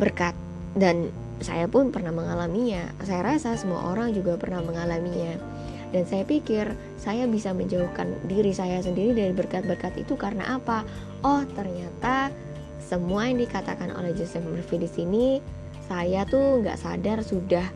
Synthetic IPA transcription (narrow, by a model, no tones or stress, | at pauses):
bərkat̪̚ | dan | sa̰japʊnpərnahməŋalamiɲa̰sajaɾasasəmua̰ʔoɾaŋd͡ʒuɡapərnahməŋalamiɲa | dansajapikɪr | sajabisaməɲd͡ʒauhkandiɾisajas̬əndiɾidaɾibərkat̪̚bərkat̪ḭt̪ukaɾəna̰ʔapa | ʔɔht̪ərɲat̪a | səmuajaŋdikat̪a̰kanʔo̰lɛhd͡ʒosɛfmərfidisini | sajat̪uŋɡa̰ʔsa̰darsudah